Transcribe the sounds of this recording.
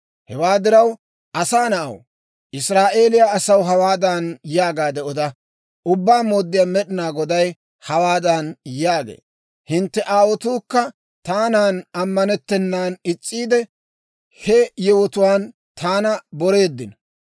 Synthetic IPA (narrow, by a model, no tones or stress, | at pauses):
hɛwaːd̪ɪɾɐw | ʔɐsaːnɐʔɐ̰w | ʔɪsɾaːʔe̞ːlɪjaːɐsɐwɦɐwaːd̪ɐnjaːɡaːd̪ɛʔɔd̪ɐ | ʊbːaːmoːd̪ːɪjaːmɛɗɪnaːɡɔd̪ɐj | hɐwaːd̪ɐnjaːɡḛː | hɪnt̪ːɛʔaːwɔt̪uːkːɐ | t̪aːnaːnɐmːɐnɛt̪ːɛnːaːnɪt͡sʼːiːd̪ɛ | hɛjɛwɔt̪ʊwaːn | t̪aːnɐbɔɾe̞ːd̪ːɪnɔ